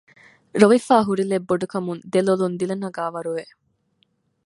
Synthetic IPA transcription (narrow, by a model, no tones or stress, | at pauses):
ɾoʋifaːɦuɾilebːoɖukɐmund̪elolund̪ilɐnɐɡaːʋɐɾuʋe